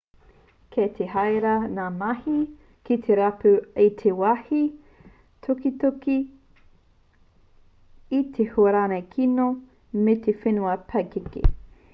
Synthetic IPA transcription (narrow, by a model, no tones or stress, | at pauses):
kʰet̪ʰeɦajɾɐnaːmɐhi | kit̪ʰeɾapʉet̪ʰewahi | tʰokit̪oki | t̪ʰehuɐɾaːnɐjkʰino | met̪ʰefenuɐpʰɐkekḛ